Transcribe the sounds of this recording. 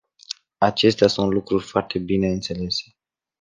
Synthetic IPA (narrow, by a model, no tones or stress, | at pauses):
at͡ʃe̞st̪easunt̪lukɾurʲfoart̪e̞bine̞ɨnt̪se̞le̞se̞̥